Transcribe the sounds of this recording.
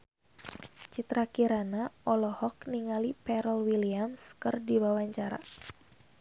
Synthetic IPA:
t͡ʃit̪ɾakiɾanaɔlɔhɔkniŋalipɛɾəlwiliamskɨrdiwawaɲt͡ʃaɾa̰

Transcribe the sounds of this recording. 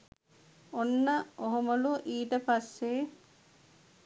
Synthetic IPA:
onːəoɦumɐluʔiːʈəpasːe

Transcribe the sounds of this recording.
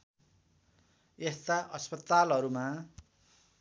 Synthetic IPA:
est̪aʔʌspʌt̪alɦʌɾuma

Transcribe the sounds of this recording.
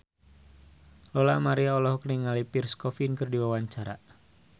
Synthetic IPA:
lɔlamaɾiaɔlɔhɔkəniŋalipirskɔfinkɨrdiwawaɲt͡ʃaɾa̰

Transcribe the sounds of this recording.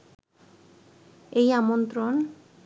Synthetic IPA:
ejamont̪ɾon

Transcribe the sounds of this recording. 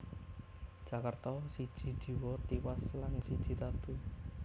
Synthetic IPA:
d̥ʒ̥akərt̪ɔsid̥ʒ̥i̤d̥ʒ̥i̤wɔt̪iwaslansid̥ʒ̥i̤t̪at̪u

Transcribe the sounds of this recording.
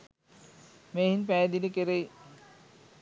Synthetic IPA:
meːhinpæːd̪inekeɾej

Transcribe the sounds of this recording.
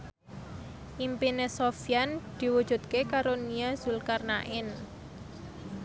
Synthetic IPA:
ʔimpinesofjand̪̥i̤wu̥ʒ̥ṳt̪̚kekaɾoniaz̥ulkarnaʔɪn

